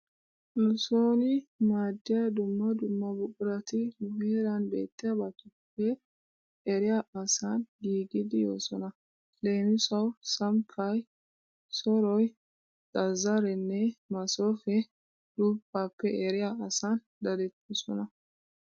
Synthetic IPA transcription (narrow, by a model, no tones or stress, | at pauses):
nʊso̞ːnɪmaːd̪ːɪjad̪ʊmːɐd̪ʊmːɐbʊkʼʊɾɐt̪ɪmʊheːɾɐnbe̞̰ːt̪ːɪjɐbɐt̪ʊpːɛː | ɾɪjaɐsaːnɡiːɡɪd̪ɪjo̞̰ːsɔnɐ | le̞ːmɪsɐwsɐmkʰːɐj | sɔɾɔj | t͡sʼɐzɐɾɛnːɛmɐsoːfɛ | d̪̥ʊbːaːpːɛʔɛɾɪjaɐsan | d̪ɐd̪ɛt̪ːɔsɔ̰nɐ